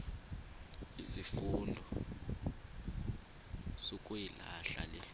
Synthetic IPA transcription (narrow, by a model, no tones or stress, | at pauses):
izifundʱɔ | z̥okʼujilaɬa̰lɛ